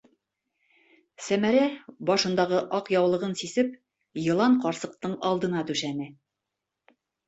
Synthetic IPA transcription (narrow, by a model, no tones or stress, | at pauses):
sæmæɾæbɒʃɤ̆nd̪ɑʁɤʔɒqjɑwlˠɤ̆ʁɤnsisɘp̚ | jɤ̆lˠɑɴqɒɾsɤ̆q̚t̪ɤɴɒlˠd̪ɤ̆nɑt̪ʉʃænɘ